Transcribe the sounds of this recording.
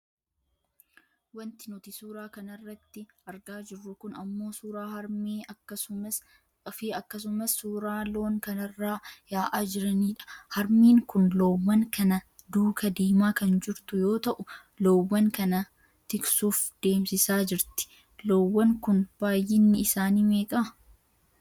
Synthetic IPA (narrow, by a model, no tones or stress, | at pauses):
wɐnt̪ɪnɔt̪ɪsuːɾaːkɐnɐrːɐt̪ːɪɐɾɡaːd͡ʒɪrːʊkʊnɐmːo̞ːsuːɾaːhmeːɐ | fɪɐkːɐs̬ʊmɐsːuːɾaːloːŋkɐnɐrːaːjaːʔaːd͡ʒɪɾɐniːᶑɐ̥hɐɾmiːŋkʊnloːwːɐŋkɐnɐ | d̪uːkɐd̪iːmaːkɐnd͡ʒɪɾt̪ʊjo̞ːt̪ɐʔʊ | loːwːɐŋkɐnɐ | t̪ɪksuːfd̪̥e̞ːmsɪsaːd͡ʒɪɾt̪ɪ̥ | loːwːɐŋkʊnb̥aːjːɪnːɪɪsaːniːme̞ːkʼɐ